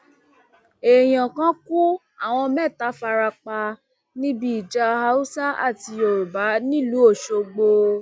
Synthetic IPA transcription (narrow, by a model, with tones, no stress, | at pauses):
e˨j̃ã˨kã˦ku˦ | a˦˨w̃ɔ̃˧mɛ̃˦˨ta˨˦fa˧ɾa˧k͡pa˧ | nĩ˦bi˦i˨d͡ʒa˧ha˧˦u˦sa˦ʔa˦˨ti˧o˧ɾu˨ba˨˦nĩ˦˨lu˨˦o˦˨ʃo˧ɡ͡bo˧